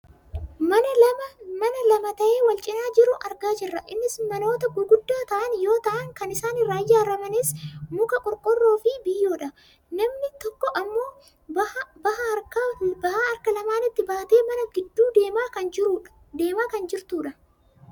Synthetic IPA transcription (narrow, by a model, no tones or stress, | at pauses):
mɐnɐlɐmmɐnɐlɐmɐt̪ɐʔe̞ːwɐlt͡ʃʼɪnaːd͡ʒɪɾʊʔɐɾɡaːd͡ʒɪrːɐʔɪnːɪsmɐno̞ːt̪ɐɡʊɡʊd̪ːaːt̪ɐʔɐnjo̞ːt̪ɐʔɐŋkɐnɪsaːnɪraːjːaːɾɐmɐneːsmʊkɐkʼɔɾkʼʊrːo̞ːfɪbɪjːo̞ːᶑɐ | nɐmnɪt̪ɔkːɔʔɐmːo̞ː | ɐbɐhɐkɐbɐhaːɐɾkɐlɐmaːnɪt̪ːɪbaːt̪e̞ːmɐnɐɡɪd̪ːuːd̪e̞ːmaːɐnd͡ʒɪɾuːᶑ | d̪eːmaːkɐnd͡ʒɪɾt̪uːᶑɐ